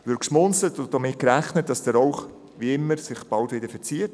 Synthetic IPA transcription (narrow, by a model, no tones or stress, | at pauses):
ʋʏɾksmɔnsətʊd̥ɔmɪt̚kɾæχnət̚d̥ɑsd̥əɾɔwχ | ʋiɪmːəɾsɪχb̥ɑltʋɪdəɾfəɾt͡siət